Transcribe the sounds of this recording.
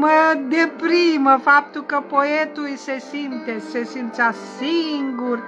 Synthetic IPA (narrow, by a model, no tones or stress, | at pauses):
məd̪epɾiməfap̚t̪ukəpoet̪uisesint̪esesint͡ʃasiŋɡur